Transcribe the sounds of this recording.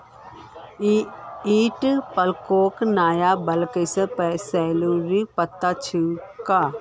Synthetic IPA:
iːʈpəlkoːknaːjabɐlkəsəpɛsɛːluːɾipət̪ːat͡ʃʰikaː

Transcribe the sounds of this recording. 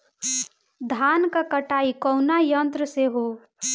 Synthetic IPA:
d̪ʱaːnkakəʈaːikɔʊnajə̃nt̪ɾəseɦoː

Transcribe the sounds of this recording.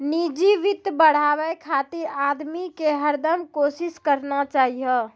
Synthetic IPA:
nid͡ʒiʋit̪bəɽ̤abɛkʰat̪iɾad̪mikeɦəɾd̪əmkosiskəɾnat͡ʃaɦijə

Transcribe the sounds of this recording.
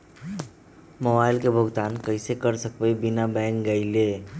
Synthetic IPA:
mobaːɪlkebʱʊɡt̪aːnkəɪsekəɾsəkbəjbinabɛ̃ŋk̚ɡəɪle

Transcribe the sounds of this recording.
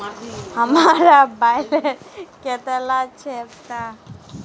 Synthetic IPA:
həmaɾabajleket̪elat͡ʃʰeept̪a

